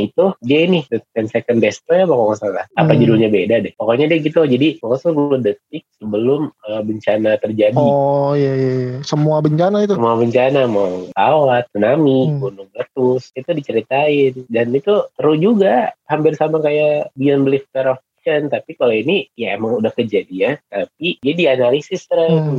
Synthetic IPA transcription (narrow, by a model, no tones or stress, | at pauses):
it̪udiainɪhdət̪kɛnsekəndɛst̪ojapakomasalahapad͡ʒudulɲabedadɛpokoɲadiaɡit̪ud͡ʒadipokosubədət̪̚ɪk̚səbəlʊməbəɲt͡ʃanat̪ərd͡ʒadijajajsəmuabəɲt͡ʃanait̪uəmuabəɲt͡ʃanamat̪awat̪̚sunamikunʊŋbət̪ʊsit̪udit͡ʃəɾit̪aɪndanit̪ut̪əɾʊd͡ʒuɡahampɪrsamakajaʔbianbəlɪft̪əɾɔfi̥ʃənt̪apikaloinijaemaŋudahkəd͡ʒadijat̪ap̚idiadianalisɪst̪əɾə